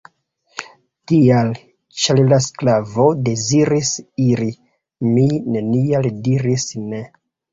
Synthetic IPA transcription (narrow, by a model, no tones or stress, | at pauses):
tial | t͡ʃallasklavo̞de̞ziɾisiɾi | mine̞nialdiɾisne̞